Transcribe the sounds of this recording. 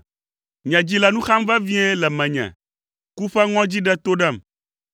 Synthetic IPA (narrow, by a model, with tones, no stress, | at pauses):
ɲɛ̃˨d͡ʑi˦lɛ˨nũ˦xa˦mvɛ˦vi˦ɛ˦lɛ˨mɛ̃˨ɲɛ̰̃˨ | ku˦fɛ˦ŋɔ̃˦d͡ʑi˦ɖɛ˦t̪o˦ɖɛ˦˨m